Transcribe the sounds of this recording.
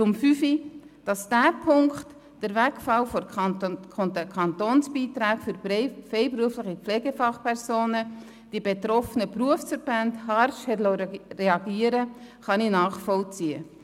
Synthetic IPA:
t͡sʊmfyfid̥ɑsd̥æːpʰʊŋkt | d̥əɾvækfɑlfɔ | ɔntəkʰɑntoːnsbiːt̪ɾaːkfʏɾfɛɪpɾuəflɪχipflɛːɡəfɑχpʰɛɾsoːnə | d̥ibet̪ɾɔfənəpɾuəfsfəɾb̥ændhɑɾʃhɛtlɔreɑɡiəɾəχɑninɑːχfɔlt͡siə

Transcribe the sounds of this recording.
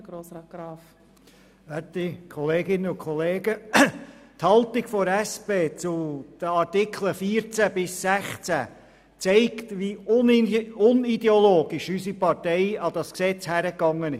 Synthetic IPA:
ɡɾoːsɾɑːt̚ɡ̥ɾɑːf | ætikʰɔleːɡɪnːəʊkʰχɔleːɡə | thɑlt̪ɪɡfɔɾæspeːt͡sʊd̪̥əɑɾtɪkʰləfiːɾt͡sæbɪsːæχt͡sæ̰ | t͡sɛɪktʋiʊnʊnid̪ɛoloːɡ̥ɪʃysipɑɾtɛɪɑd̥ɑsksɛt͡shæɾəkːɑŋːənɪʃ

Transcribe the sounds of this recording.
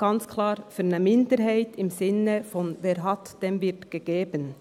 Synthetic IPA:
ɡ̥ɑnt͡skʰlɑːɾfyːɾnəmɪndəɾɦaɪtɪmzɪnəfɔnveːɾɦɑtd̥eːmvɪtɡ̥əɡ̥eːbən

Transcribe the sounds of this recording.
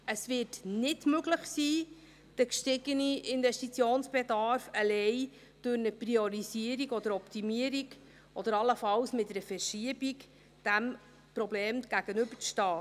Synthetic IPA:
əsʋɪːtnɪtmɵɡləχsiː | d̥əkʃtɪɡəniɪnvɛʃtit͡sjoːnsb̥edɑɾfəlɛɪ | d̥ʊɾnəprioɾisiəɾiɡɔd̪əɾɔptimiəɾiɡ | ʔɔd̪̥əɾɑlːəfɑwsmɪtəɾəfɛɾʃiəbik | d̥æm | pɾɔbleːmɡ̥æɡ̥ənʏbət͡sʃtɑː

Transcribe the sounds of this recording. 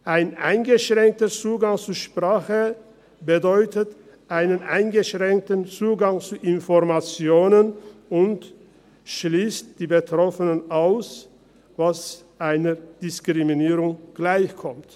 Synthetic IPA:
ʔaɪnʔa̰ɪnɡəʃʁ̥ɛŋk̚tət͡suːɡaŋt͡suʃpʁ̥aːχə | bədɔʏtət | ʔaɪnənʔa̰ɪnɡəʃʁ̥ɛŋk̚tnt͡suːɡaŋt͡suʔɪnfɔʁmat͡sjoːnənʊnt | ʃliːst̚d̥iːbətʁ̥ɔfənənʔaʊs | vas | ʔaɪnəd̥ɪskʁ̥iminiːʁʊŋɡ̥laɪçkʰɔmt

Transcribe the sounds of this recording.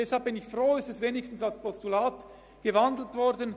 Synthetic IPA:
ɛshalb̚b̥ɪnɪçfroːɪstɛsveːnɪstn̩salspʰɔstulaːt | ɡ̥əvandl̩tv̥ɔɾdən

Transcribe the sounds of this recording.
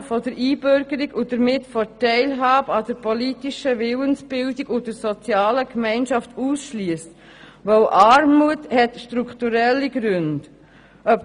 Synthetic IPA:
fɔdəɾiːbøɾɡ̥əɾiɡud̥əɾmɪtfɔtɛɪlɦɑːbəɑd̥əɾpɔlitiʃəʋɪwənsb̥ɪldiɡud̥əɾsɔt͡sjɑːləkmɛɪnʃɑftuːsʃliəst | ʋoʊʔɑɾmuəthɛtʃtɾukʰtuɾɛlːiɡ̥ɾʉnd̥ | ʔœp

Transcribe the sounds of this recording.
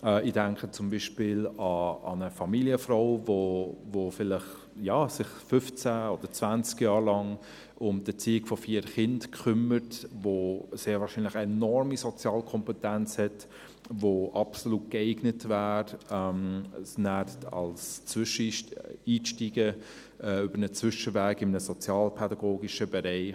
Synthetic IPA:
ɛidæŋkχət͡sʊmbiːʃpɪlɑɑ̰nəfɑmiliəfroʊvovofɪlɪχ | jɑːsɪχfʏft͡sæɔd̥əɾt͡sv̥ænt͡skjɑːɾlɑŋ | ʊmd̥ət͡siːɪɡfɔfiːəɾχɪndkχʏməɾtvoseːɾvɑːɾʃiːnlɪχɛnɔɾmisɔt͡sjɑːlkʰɔmpɛtænt͡shɛt | voʔɑpsoluːt̚keɪɡnətvæːɾɛmnætɑ̰lst͡svʃəiːʃtiːɡə | ɛːʏb̥əɾnət͡svʏʃəvæːɡɪmənəsɔt͡sjɑːlpʰɛdɑɡoːɡiʃəbɛɾɛɪ

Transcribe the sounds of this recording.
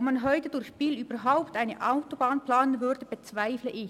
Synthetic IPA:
pmanɦɔʏtədʊɾçb̥iːlyːbəɦaʊptʔaɪnəʔaʊtob̥aːnpl̥aːnənvʏʁdəb̥ət͡sv̥aɪfləʔɪ

